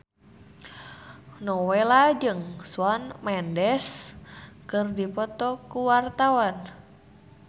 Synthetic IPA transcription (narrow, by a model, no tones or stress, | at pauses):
nɔwelad͡ʒɨŋsuanmɛndɛs | kɨrdipɔt̪ɔkuwart̪awan